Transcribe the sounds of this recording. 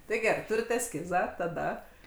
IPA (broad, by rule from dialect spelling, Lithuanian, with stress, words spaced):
ˈtɐɪ ˈɡʲæːrɐɪ ˈtʊrʲɪt ɛsʲˈkʲɪzɑː tɐˈdɐ